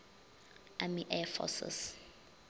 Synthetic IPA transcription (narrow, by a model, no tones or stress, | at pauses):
amiʔɛfɔ̰sɪ̰s